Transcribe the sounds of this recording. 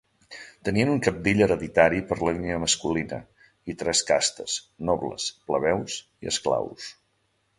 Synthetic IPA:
t̪əniənuŋkəp̚d̪iʎəɾəðit̪aɾipəɾləliniəməskulinə̰ | it̪ɾɛskast̪əs | nɔβlə̰spləβ̞ɛws | iə̰skla̰ws

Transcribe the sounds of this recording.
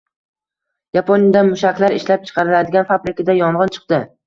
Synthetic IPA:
japʰonjad̪anmʊʃakʲlˠaɾɪʃlap̚t͡ʃʰɨ̥qʰɑɾɪlad̪ɪɡʲanfabɾɪkʲad̪ajɒɴʁɨnt͡ʃʰɨ̥qd̪ɪ

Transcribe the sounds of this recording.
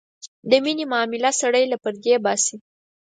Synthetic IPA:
d̪əminimɑmɪlasaɽəjlapəɾd̪ebɑsi

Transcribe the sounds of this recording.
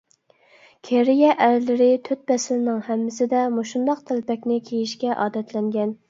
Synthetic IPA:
kʲʰeɾijɛʔæɾlɪɾɪt̪ʰøt̪̚bɛsɪlɪnɪŋhɛmːɪsɪd̪ɛmuʃund̪ɑqt̪ʰælɪpɛkʲnɪkʲʰejiʃkʲɛʔɑ̰ːd̪ɛt̪ʰlɛŋɡʲɛn

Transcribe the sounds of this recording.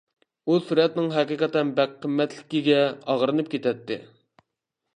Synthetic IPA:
usuɾɛt̪nɪŋɦɛqiqʰɑt̪ɛnbæqqʰːəmːɛt̪lɪkʲiɡʲɛɑʁɾɨnɨp̚kʲet̪ɛt̪ːɪ̰

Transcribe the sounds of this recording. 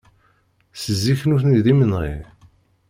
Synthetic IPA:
səzːiçnuθniðimənʁḭ

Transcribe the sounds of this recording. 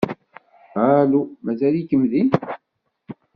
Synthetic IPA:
alumæzælikəmðim

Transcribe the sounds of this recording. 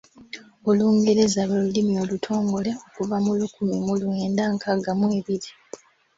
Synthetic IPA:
o̞luːŋɡeɾezaβolulimio̞ːlutʰo̞ːŋɡo̞le̞o̞kuvamulukumimulweːndaŋkʰaɡamwe̞ːβiɾi

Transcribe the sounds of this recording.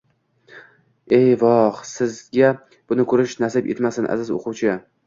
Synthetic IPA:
e̞jvɒχsɪzɡʲa | b̥ʊnɪkʰɵɾɪʃnasɪpjet̪masɪnʔa̰zɪzo̰qʰʊwt͡ʃʰɪ

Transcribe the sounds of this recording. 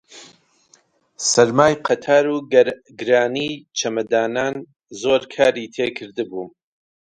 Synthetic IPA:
sɐɾmaːjqʰɐt̪ʰaːɾuː | ɡɨɾaːniːt͡ʃʰɐmɐd̪aːnaːn | zoːɾkʰaːɾiːt̪ʰeːkʰɨɾd̪ɨbuː

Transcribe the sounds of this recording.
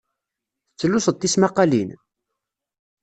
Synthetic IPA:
θət͡sːlːʊsəd̪ismɑqːɑlin

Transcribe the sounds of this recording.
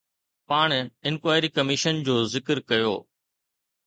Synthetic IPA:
paːɳ̃ɪnkwaːɪɾikɐmɪʃənd͡ʑoːzɪkəɾkɐjo̰ː

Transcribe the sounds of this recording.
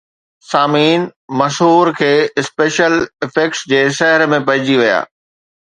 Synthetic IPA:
saːmiːnmɐʃɦuːɾkʰeːɪspeːʃəlɪfeːksd͡ʑeːʃɐɦɪɾmẽpɐ̃ɦɪ̃d͡ʑiʋija̰ː

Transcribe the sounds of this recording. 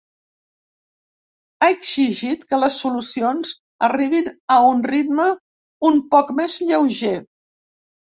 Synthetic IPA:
aəɡz̥iʒit̪kələsːulusionz | əriβ̞inəunrit̪mə | umpɔkmezʎəwʒe

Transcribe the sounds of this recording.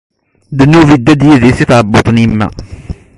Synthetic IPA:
d̪ənːuvid̪ːæd̪jiðisiθʕəbːot̪ˤnimːæ̰

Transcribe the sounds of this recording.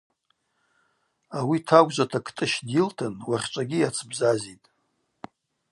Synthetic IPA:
awitʰaɡʷʼʒʷatʰakʰtʼɨʃdjɪltʰɨnwaχʲt͡ʃʷʼaɡʲijat͡sʰbzazitʼ

